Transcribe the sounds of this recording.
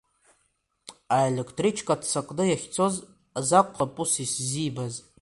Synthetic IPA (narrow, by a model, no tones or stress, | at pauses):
aelʲekʰtʰrit͡ʃʰkʼatʰsakʼnɨjaχʲt͡sʰo̞z | azakʷʼχʰapʼusiszibaz